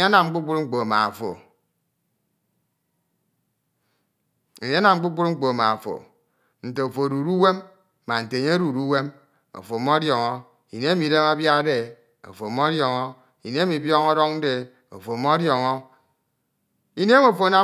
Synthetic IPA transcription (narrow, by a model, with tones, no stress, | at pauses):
ɲe˦a˦na˨mŋ͡m̩˦k͡pu˦k͡pu˦ɾŋ͡m̩˦k͡po˨a˨ma̰˨fo̰˨ | e˨ɲe˦na˨mŋ͡m̩˦k͡pu˦k͡pu˦ɾŋ͡m̩˦k͡po˨a˨ma̰˨fo̰˨ | n̩˨te˨o˨fo˨ɾu˨ɾu˦we˦mː | a˨n̩˨te˨ɲe˦o˦ɾu˨ɾu˦we˦m | o̰˨fo˨mo˦djɔ˨ŋɔ˦ | i˨ne˦mi˨˦de˦ma˦bja˦de˨ | o̰˨fo˨mo˦djɔ˨ŋɔ˦ | i˨ne˦e˦mi˨bjɔ˦ŋɔ˦ɾɔ˦ŋ˦de˨ | o̰˨fo˨mo˦djɔ˨ŋɔ˦ | i˦ne˦mo˨fo˨a˦na˨